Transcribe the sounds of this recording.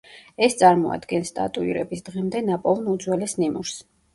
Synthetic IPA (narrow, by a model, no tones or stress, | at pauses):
ɛst̪sʼaɾmɔa̰d̪ɡɛnst̪ʼa̰t̪ʼuḭɾɛbisd̪̥ʁɛmd̪ɛnapʼɔlˠnud̪zwɛlɛsnimuɾs